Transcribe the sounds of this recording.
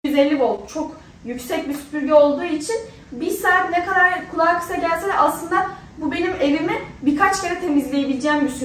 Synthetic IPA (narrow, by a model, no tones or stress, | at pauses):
yzelʲːiko̞lˠd̪ut͡ʃʰo̞k | jycsɛc̚bisy̥pʰyɾɟɛo̞lˠd̪uːit͡ʃʰin | biɾsaːt̪nekad̪aɾkʰulˠaːkʰɯ̥saɟælʲsɛɾaslˠɯnd̪a | bube̞nime̞vimibikʰat͡ʃcʰeɾɛt̪ʰe̞mizlʲe̞jebilʲd͡ʒɛːmbysy